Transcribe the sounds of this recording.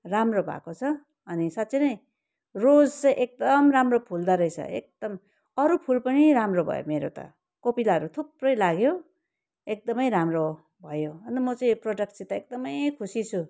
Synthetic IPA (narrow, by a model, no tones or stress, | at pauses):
ramrobʱa̰kot͡sʰʌ | ʌnisat̪ːsʌnʌj̃ | rod͡zt͡sʌj̃ʔek̚d̪ʌmramropʰuld̪aɾʌjt͡sʰʌ̰ḛk̚d̪̥ʌm | ʌɾupʰulpʌɽiɾamrobʱʌ̰jo̰meɾo̰t̪ʌ̰ | kopilaɦʌɾut̪ʰup̚rʌjlaɡjo | ek̚d̪ʌmʌjɾamro | bʱʌjoʌnt̪ʌmʌt͡saĩproɖʌk̚ʈsit̪ʌek̚d̪ʌmʌjkʰusit͡sʰu